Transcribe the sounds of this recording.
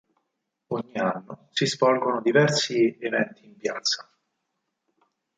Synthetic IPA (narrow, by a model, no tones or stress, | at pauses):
oɲːianːosizvɔlɡonod̪ivɛrsievɛnt̪iːmpjaːt̪sːḁ